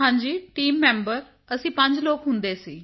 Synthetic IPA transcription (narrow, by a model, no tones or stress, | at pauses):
ɦãːɲd͡ʒiːʈiːmːɛːmbəɾ | əsĩːpə̃ɲd͡ʒloːkɦʊnd̪eːsiː